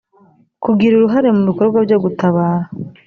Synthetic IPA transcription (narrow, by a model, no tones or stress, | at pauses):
kubɡiɾuɾuɦaɾe̞muβiko̞ɾɡwabjo̞ɡutaβaːha